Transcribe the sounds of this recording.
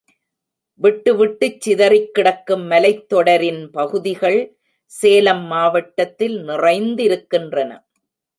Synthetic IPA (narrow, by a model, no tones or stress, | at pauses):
ʋɪʈːɯʋɪʈːɯt͡ʃːɪðɐrɪkːɪɽɐkːɯmːɐlɐɪt̪ːɔɽɐɾɪnpɐɣɯðɪɣɐɭ | seːlɐmːaːʋɐʈːɐt̪ːɪlnɪrɐɪnd̪ɪɾɯkːɪndrɐnɐ̰